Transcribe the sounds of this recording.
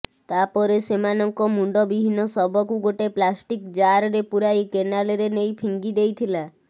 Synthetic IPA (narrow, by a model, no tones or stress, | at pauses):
t̪apɔɾesemanɔŋkɔmuɳɖɔbibʱinɔsɔbɔkuɡoʈeplasʈikd͡ʒaɾɔɾepuɾajkenaleɾenejpʰiŋɡid̪ejt̪ʰila